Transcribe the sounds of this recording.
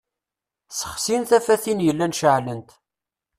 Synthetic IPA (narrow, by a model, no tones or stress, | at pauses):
sə̥χsinθæfæθinjəlːænʃəʕlənt̪